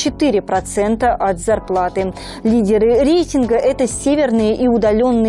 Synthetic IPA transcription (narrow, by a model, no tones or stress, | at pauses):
t͡ɕɪt̪ɨɾʲɪpɾɐt̪sɛnt̪əʔɐt̪zɐrplˠat̪ɨ | lʲidʲɪɾɨɾʲejtʲɪnɡəʔɛt̪əsʲevʲɪrnɨjəʔiʊd̪ɐlʲo̞nːɨ